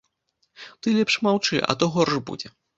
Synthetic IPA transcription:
t̪ɨlʲɛpʂmawt͡ʂɨ̰ʔɐ̰t̪ɔɣɔrʂbṵd͡zʲɛ

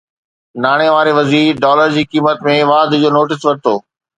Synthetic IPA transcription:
naːɽ̃eʋaːɾeʋɐziːɾɖɔːləɾd͡ʑiːkiːmət̪mẽʋaːd̪d͡ʑoːnoːʈɪsʋɐɾɪt̪oː

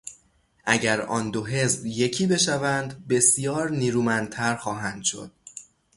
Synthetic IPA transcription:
ʔæɟæɾɒ̰ːnd̪o̞ɦe̞zbje̞cʰiːbe̞ʃævænd̪be̞sjɒːɾniːɾuːmænd̪̚t̪ʰæɾxɒːɦænd̪̥ʃo̞̰d̪̥̚

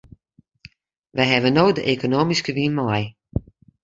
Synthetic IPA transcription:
ʋɛjɦɛʋənoːdəʔekonoːmiskəʋinmɔj

